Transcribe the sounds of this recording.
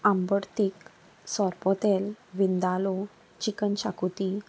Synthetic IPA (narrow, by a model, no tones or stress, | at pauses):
ãmbəɽt̪ik | sɔɾpɔt̪elʋind̪alo | t͡ɕikənɕakut̪i